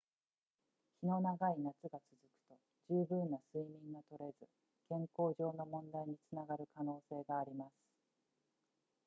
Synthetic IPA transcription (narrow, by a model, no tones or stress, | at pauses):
çʲino̞naɡainat͡sɨɡat͡sɨzɨkɯ̟̥t̪o̞ | d͡ʑɨːbɯ̟̃nːasɨimʲĩŋɡat̪o̞ɾe̞zɨ | kẽ̞ŋko̞ːʑo̞ːno̞mõ̞nd̪aiɲ̟it͡sɨnaɡaɾɯ̟kano̞ːse̞ːɡaːɾʲimasɨ̥